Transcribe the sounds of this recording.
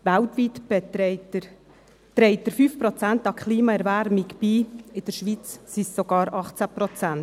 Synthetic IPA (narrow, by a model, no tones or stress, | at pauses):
ʋæltʋitbɛɛtə | t̪ɾɛɪt̪əɾfyːfpɾɔt͡sæntɑkχliːmɑɛɾvæɾmiɡb̥iːɪd̥̪əɾʃʋit͡ssisːɔɡ̥ɑːɾɑχt͡sæpɾɔt͡sæn